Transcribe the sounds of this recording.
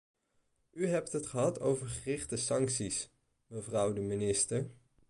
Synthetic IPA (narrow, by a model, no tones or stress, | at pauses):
yɦɛptɦətχəɦɑtʰowvəɹχərɪχtəsɑŋksis | məvrʌwdəminɪstəɹ